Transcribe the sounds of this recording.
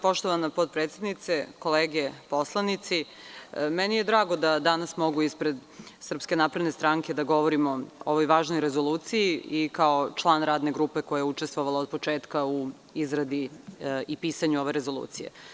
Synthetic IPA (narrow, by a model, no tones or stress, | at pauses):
po̞ʃt̪oʋanapot̪̚pɾet̪sed̪nit̪seko̞leːɡepo̞slˠanit̪si | mɛnijed̪ɾaːɡo̞d̪ad̪anasmo̞ɡuispɾe̞d̪sr̩pske̞naːpɾed̪ne̞st̪ɾaŋke̞d̪aɡo̞ʋoɾimo̞oʋo̞jʋaːʒno̞jɾezo̞luːt̪sijiikao̞t͡ʃlˠaːnɾaːd̪ne̞ɡɾuːpe̞ko̞jajeut͡ʃest̪ʋoʋalaod̪̚po̞t͡ʃeːt̪kau | izɾad̪iipiːsaɲuo̞ʋeɾezo̞lˠṵːt̪sijḛ